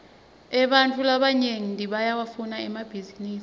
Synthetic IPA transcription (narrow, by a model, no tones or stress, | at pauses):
ɛɓantʼulaɓaɲeŋindʱiɓajawafunaɛmab̥ʱiziniːsi̥